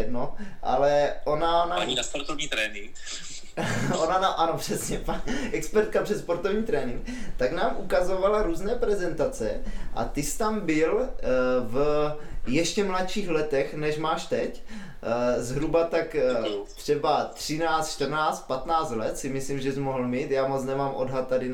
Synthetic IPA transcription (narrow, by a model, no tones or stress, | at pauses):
dnoʔa̰lɛʔonanaanaspoɾt̪ovɲiːt̪ɾɛːnɪŋk | onanaʔano̞pr̝̥ɛsɲɛpaʔɛkspɛɾt̪̚kapr̥ɛspo̞ɾt̪ovɲiːt̪ɾɛːnɪŋkt̪aknaːmʔukazovalaɾuːznɛːpɾɛzɛnt̪at͡sɛ̰ʔa̰t̪ɪst̪ambɪl | v | jɛʃcɛmlat̪ʃiːxlɛt̪ɛxnɛʃmaːʃt̪ɛc | zɦɾubat̪akt̪r̝̥ɛbat̪r̝̥ɪnaːt͡st̪ʃt̪rnaːt͡st̪̚pat̪naːt͡st̪lɛt̪sɪmɪslimʒɛzmoɦl̩miːt̪jaːmot͡snɛmaːmʔo̰dɦat̪̚ːadɪn